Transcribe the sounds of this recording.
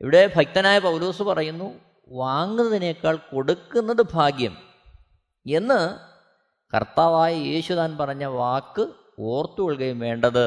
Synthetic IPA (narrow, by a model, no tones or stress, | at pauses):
ḭʋiɽe̞bʱɐk̚t̪ɐnaːjɐpɐwlo̞ːsupɐrɐjunːu | ʋaːŋɡunːɐðinekːaːɭko̞ɽukːunːɐðɨbʱaːɡjɐm | e̞nːɨ | kɐ̰rt̪aːʋaːjɐjeːɕut̪aːnpɐrɐɲːɐʋaːkːɨ | oːrt̪ːukoɭkɐjumʋe̞ːɳɖɐðɨ